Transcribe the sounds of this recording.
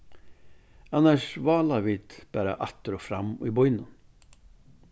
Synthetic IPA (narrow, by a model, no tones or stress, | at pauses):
anːaʂvɑːlaɾviːt̪b̥æːɾa̰ʔat̪ːəɾɔfɾamːḭbɔʏnən